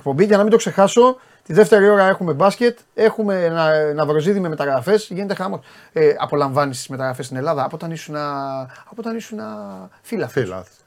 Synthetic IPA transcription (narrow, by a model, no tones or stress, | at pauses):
ek̚po̞mbiʝɐnɐmind̪o̞kse̞xɐso̞ | t̪iðeft̪e̞ɾio̞ɾɐe̞xume̞bɐsce̞t̪e̞xume̞nɐnɐvɾo̞ziðimeme̞t̪ɐɣɾɐfe̞sʝine̞t̪e̞xɐmo̞s | ɐ̰po̞lɐɱvɐnist̪izme̞t̪ɐɣɾɐfest̪ine̞lɐðɐːpot̪ɐnisunɐɐpoot̪ɐnisunɐfilɐfilɐ̰